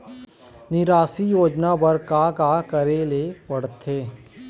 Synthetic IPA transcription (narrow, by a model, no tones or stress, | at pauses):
nɪɾaːsijoːd͡ʒnabəɾkakakəɾelepɐɽt̪ʰeː